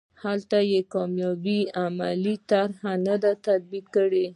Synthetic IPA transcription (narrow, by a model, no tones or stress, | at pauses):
halt̪ajekɑmjɑbiamalit̪aɾhanad̪at̪ad̪̚bikkəɽe